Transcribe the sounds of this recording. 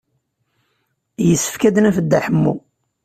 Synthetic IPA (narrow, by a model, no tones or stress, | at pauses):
jəsːə̥fkæd̪næfəd̪ːæħəmːṵ